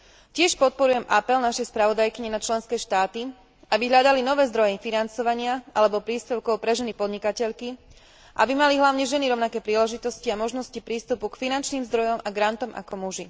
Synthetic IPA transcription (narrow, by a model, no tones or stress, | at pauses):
cɪɛʃpɔt̪̚pɔɾujɛmʔapɛlnaʃɛjspɾaʋɔd̪ajkiɲɛnat͡ʃlɛnskɛːʃt̪aːt̪i | ʔabiɦʎad̪alinɔʋɛːzd̪ɾɔjɛfinant͡sɔʋaɲɪaʔalɛbɔpɾiːspɛʊkɔʊpɾɛʒɛnipɔd̪ɲikacɛʎki | ʔabimaliɦlaʊɲɛʒɛniɾɔʊnakɛːpɾiːlɛʒit̪ɔsciamɔʒnɔscipɾiːst̪upukfinant͡ʃniːmzd̪ɾɔjɔmʔaɡɾant̪ɔmʔa̰kɔmuʒi